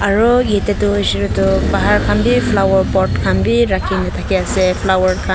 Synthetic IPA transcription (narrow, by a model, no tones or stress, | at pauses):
aɹuɡetetuziɾutubaɦaɾkʰambipʰlawɔɾpɔtkʰambiɾakʰinatʰakiasepʰlawɔɹkʰa